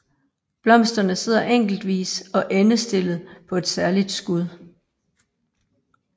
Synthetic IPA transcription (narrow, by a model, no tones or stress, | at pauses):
b̥lɒ̽m̰sd̥ɐnəse̝ð̞̰ˠɐʔeŋ̰ɡ̥l̩d̥ʋḭːsɒ̽ʔenəsd̥e̝l̰ð̩ˠpʰɒ̽e̝d̥sæɐlid̥sɡ̥uð̞ˠ